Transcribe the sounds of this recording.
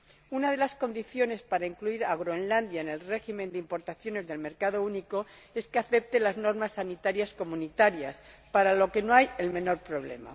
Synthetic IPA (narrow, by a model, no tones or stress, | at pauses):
unað̞e̞lasko̞nd̪iθjo̞ne̞spaɾaiŋkluiɾaɣ̞ɾoenland̪jaene̞lre̞ximẽ̞nd̪eimpo̞ɾt̪aθjo̞ne̞zðe̞lme̞ɾkaðo̞uniko̞ | e̞skeaθe̞p̚t̪elazno̞ɾmasːanit̪aɾjasko̞mũnit̪aɾjaspaɾalo̞ke̞no̞aje̞lmẽ̞no̞ɾpɾo̞β̞le̞̰ma̰